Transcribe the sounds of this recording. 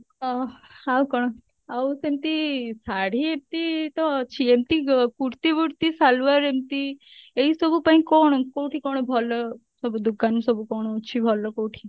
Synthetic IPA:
hawkɔɽ̃ | ausemt̪isaɽiemt̪it̪ɔt͡ʃʰiemt̪ikuɾt̪ibuɾt̪isalʋəɾemt̪i | eisɔbʱupaĩkɔɳ̃koʈʰikɔɽ̃bʱɔlɔ | sɔbud̪ukːansɔbʱukɔːɽ̃t͡ʃʰibʱɔlːɔkoːʈʰi

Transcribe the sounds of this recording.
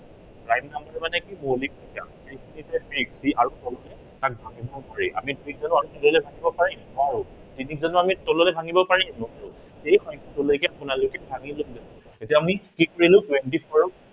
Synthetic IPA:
pɹajmnambaɹɛmanɛkimolik̚ita̰sʰɹikʰinitɛfiɹiksiʔaɹutɔlɔlɛ | tak̚bʱaŋibɔpaɹɛʔa̰midujik̚zanʊaɹutɔlɔlɛbʱaŋibɔpaɹinɔaɹʊ | tinik̚zanuamitɔlɔlɛbʱaŋibɔpaɹinɔaɹʊ | ejxɔjkʰɔtʊlojkɛapʊnalokɛbʱaŋilokzanuetiaːmikikuɹilʊ̃twentipʰɔɹ

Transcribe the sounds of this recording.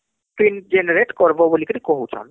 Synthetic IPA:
tind͡ʒeneɾeʈkɔɾbobolikiɾikoɦut͡ʃʰɔ̰n

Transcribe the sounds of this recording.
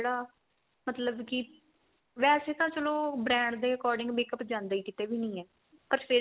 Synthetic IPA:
eːɽaː | mət̪ləbkɪ | ʋɛːseːt̪ãːt͡ʃəloːbɾɛ̃ːɳɖd̪eːəkɔːɾɖɪ̃ŋɡbeːkəpd͡ʒãːnd̪aːiːkɪt̪eːʋiːnəĩːɛː | pəɾfɪ

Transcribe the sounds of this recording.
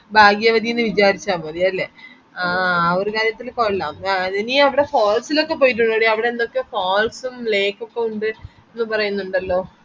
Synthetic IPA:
bʱaːɡijɐʋɐd̪ʱijenːɨʋit͡ɕaːɾit͡ɕːaːmɐɾijaɐlːe | aɐʋoɾukaːɾjɐt̪ːilkoɭːaːmainiɐʋiɽe̞foːlsilo̞kːe̞p̬oːjiʈ̬ːuɳɖoːɽiɐʋiɽe̞end̪o̞kːe̞foːlsumle̞ːkːokːeuɳɖɨ | enːɨpɐrɐjunːuɳɖɐlːo̞ː

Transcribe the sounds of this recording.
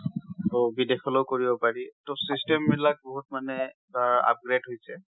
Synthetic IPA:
tobidexɔlowkoɹibɔpaɹitosistemːilak̚boɦut̚manɛ | aa̰p̚ɡɹedɦojsɛ

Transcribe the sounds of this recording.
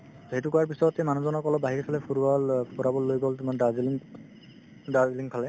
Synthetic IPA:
ɦetukɔwaɹp̬isɔɹɔtːejmanɔzɔnɔkɔlɔbaɦiɹikʰalɛpʰuɹalpɔɹabɔlːojɡɔltimandaziliŋ | daziliŋkʰalɛ

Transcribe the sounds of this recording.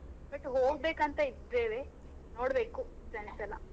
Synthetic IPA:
bɐʈːɦoːɡbeːkɐnt̪ɐid̪ɾeːʋe | noːɽbeːkusɐnsɐlɐ

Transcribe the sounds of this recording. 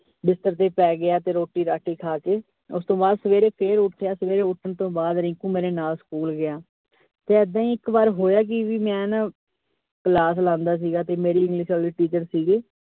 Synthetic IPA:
bɪst̪əɾt̪eːpɛːɡɪaːt̪eːɾoːʈːiːɾaːʈʰiːkʰaːkeː | ʊst̪õːbaːd̪səʋeːɾeːpʰeːɾʊʈʰːjaːsəʋeːɾeːʊʈʰənt̪õːbaːd̪ɾɪ̃ŋkũːmeːɾeːnaːlsə̥kuːlɡɪjaː | t̪eːəd̪ãːĩːɪkbaːɾɦoːjaːk̬ɪʋiːmɛ̃ːna | kəlaːs̬lãːnd̪aːs̬iːɡaːt̪eːmeːɾiːɪ̃ŋɡlɪʃaːliːʈiːt͡ʃəɾsiːɡeː

